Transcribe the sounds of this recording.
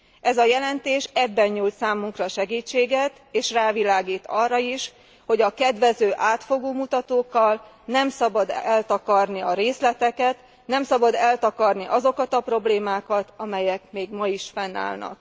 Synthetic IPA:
ʔɛzɒjɛlɛnt̪eːʃɛbːɛɲɲult̪saːmːuŋkrɒʃɛɡiːt͡ʃːeːɡɛt̪ | eːʃraːvilaːɡiːt̪ɒrːɒiʃ | ho̞ɟɒkɛd̪ʋɛzøːʔaːt̪fo̞ɡoːmut̪ɒt̪oːkːɒl | nɛmsɒbɒd̪ɛlt̪ɒkɒrniɒɾeːslɛt̪ɛkɛt̪ | nɛmsɒbɒd̪ɛlt̪ɒkɒrniʔɒzo̞kɒt̪ɒpro̞bleːmaːkɒt̪ɒmɛjɛkmeːɡmɒiʃfɛnːa̰ːlnɒ̰k

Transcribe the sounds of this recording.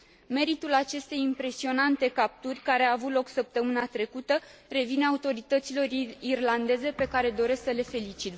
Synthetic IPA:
me̞ɾit̪ulat͡ʃe̞st̪e̞jimpɾe̞sio̞nant̪e̞kap̚t̪urʲkaɾe̞aːvut̪lo̞ksəp̚t̪əmɨnat̪ɾe̞kut̪əre̞vineaut̪o̞ɾit̪ət̪silo̞ɾirland̪e̞ze̞pe̞kaɾe̞d̪o̞ɾe̞sksəle̞fe̞lit͡ʃit̪

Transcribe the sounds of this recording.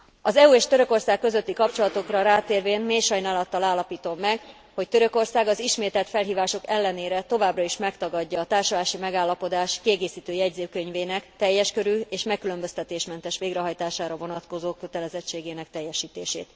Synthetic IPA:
ɒzɛuːeːʃt̪øɾø̞ko̞rsaːkːø̞zø̞t̪ːikɒpt͡ʃo̞lɒt̪o̞krɒɾaːt̪eːrveːnmeːʃɒjnaːlɒt̪ːɒlaːlːɒpiːt̪o̞mːɛɡ | ho̞c̚t̪øɾø̞ko̞rsaːɡɒziʃmeːt̪ɛlt̪fɛlɦiːvaːʃo̞kɛlːɛneːɾɛt̪o̞vaːbrɒiʃmɛkt̪ɒɡɒɟːɒːt̪aːrʃolaːʃimɛɡaːlːɒpo̞d̪aːʃkiɛɡeːsiːt̪øːjɛɟzeːkø̞ɲveːnɛkt̪ɛjːɛʃkø̞ɾyːeːʃmɛkːylø̞mbø̞st̪ɛt̪eːʃmɛnt̪ɛʃʋeːɡɾɛɦɒjt̪aːʃaːɾɒvo̞nɒt̪ko̞zoːkø̞t̪ɛlɛzɛt͡ʃːeːɡeːnɛk̚t̪ɛjːɛʃiːt̪eːʃḛːt̪

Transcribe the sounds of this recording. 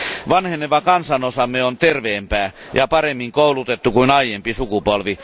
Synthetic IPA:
ʋɑnhenːeʋɑkɑnsɑnosɑmːeont̪erʋeːmpæː | jɑpɑremːiŋkoulut̪et̪ːukuinɑijempisukupolʋi

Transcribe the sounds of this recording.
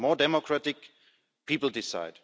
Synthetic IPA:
mɔːdɛmɔkʰɹatɪk | pʰiːpl̩ˠdɪsa̰ɪd̥

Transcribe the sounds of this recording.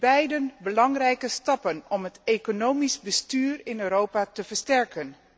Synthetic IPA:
b̥ɛjdənbəlɑŋrɛjkəstɑpənɔmɦətekonowmisbəstyːrɪnøːɾowpatəvəɹstɛɹkən

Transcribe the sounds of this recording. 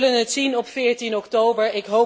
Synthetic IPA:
lənɦətsinɔpfɪːɹtinɔktowbəɹɪkɦow

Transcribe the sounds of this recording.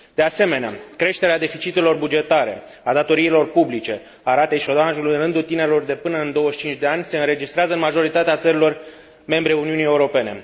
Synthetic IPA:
d̪̥e̞ase̞me̞nea̰kɾe̞ʃt̪e̞ɾead̪e̞fit͡ʃit̪elo̞rbud͡ʒe̞t̪aɾe̞̰ | ad̪at̪o̞ɾiːlo̞rpublit͡ʃe̞ | aɾat̪eʃio̞d̪anʒuluɨnrɨnd̪ult̪ine̞ɾelo̞rd̪e̞pɨnəɨnd̪o̞wəʃt͡ʃint͡ʃʲd̪e̞anʲse̞ɨnɾe̞d͡ʒist̪ɾeazəɨnmaʒo̞ɾit̪at̪eat̪səɾilo̞r | me̞mbɾeuniunijeuɾo̞pe̞ne̞̰

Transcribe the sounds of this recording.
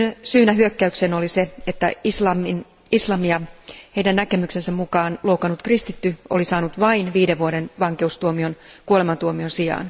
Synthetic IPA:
nsyːnæɦyøkːæykseno̞lise̞et̪ːæislɑmin | islɑmiɑhe̞ijdænnæke̞mykse̞nsæmmukɑːnloukɑnut̪krist̪it̪ːyo̰lisɑːnut̪ʋɑinʋiːdeʋːuoɾe̞nʋɑŋke̞ust̪uomio̞nkuolemɑnt̪uomionsijɑ̰ːn

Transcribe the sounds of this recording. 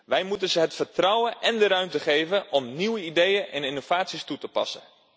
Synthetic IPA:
ʋɛjmutənzəɦətfərtrɔwənʔɛndəɾœɥmtəχejvənɔmniwəidejənʔɛ̰nɪnov̥aːtsistutəpɑ̰sən

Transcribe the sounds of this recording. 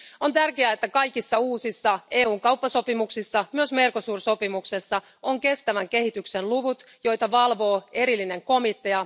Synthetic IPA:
o̞nt̪ærkeæːet̪ːækɑjkisːɑuːsisːɑe̞ːuːŋkɑupːɑso̞pimuksisːɑmyøsme̞rko̞suːrso̞pimukse̞sːɑ | o̞ŋke̞st̪æʋæŋke̞hit̪yksenluʋut̪jo̞jt̪ɑʋɑlʋo̞ːe̞ɾilːine̞ŋko̞mit̪ːe̞ɑ

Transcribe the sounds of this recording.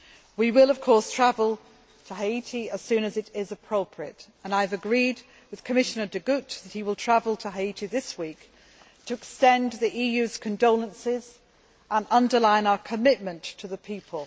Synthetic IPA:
wiwɪlˠʌv̥kʰɔɹstʰɹ̥avəl̩ˠ | tʰəɦaitʰiəz̥sʉ̃nɨzɨɾɪzəpʰɹ̥oʊpʰɹiətə̃naɪəvɨɡɹid̚ | wɨð̥kʰəmɪʃɨnə˞dɨɡʉtðət̚hiwəlˠtʰɹ̥avəl̩ˠtʰəɦaɪitʰiðɪswiˑk | tʰɨɪkstɛ̃nðiʔijʉz̥kʰɨ̃ndoʊlˠə̃nsɪz | ə̃nʌ̃ndə˞lãɪ̃naʊəkʰəmɪt̚mə̃ntʰəðəpʰipʰəlˠ

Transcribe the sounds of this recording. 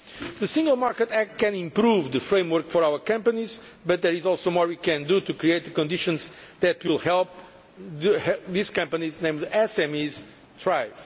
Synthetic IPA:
ðɨsĩŋɡəlˠmaɾkət̪ɛkkɛ̃nĩmpɾuvðɨfɾẽj̃mwɔɾkfɔɹawəkʌ̃mpɐniz | bɐt̪̚ðɛɹizɔlˠsomɔɹwikɛ̃nd̪ut̪ukɾieɪt̪̚ðɨkɔ̃nd̪iʃɔ̃nzðɛt̪wilˠhɛlˠp̚ | ðɨhɛðiz̥kʌ̃mpɐniznẽɪ̃mdɛsɛ̃miz | d̪ɹajv

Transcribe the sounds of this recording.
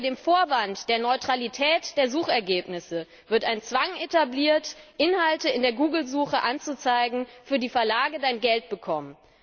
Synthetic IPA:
deːmfoːɐvantd̥eːɐnɔʏtʁ̥alitʰɛːtd̥eːɐzuːχɛɐɡeːpnɪsə | vɪɐtaɪnt͡sv̥aŋʔetabliːɐtʔɪnhaltəɪndeːɐɡuːɡl̩zuːχəʔant͡sut͡saɪɡŋ̩fyːɐdiːfɛɐlaːɡədaɪnɡɛlt̚b̥əkʰɔmən

